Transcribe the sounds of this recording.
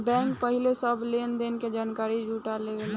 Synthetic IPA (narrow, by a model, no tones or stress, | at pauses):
bɛ̃ːŋkpəɦɪlesəbleːnd̪enked͡ʒaːnkaːɾid͡ʒʱuːʈaleːʋel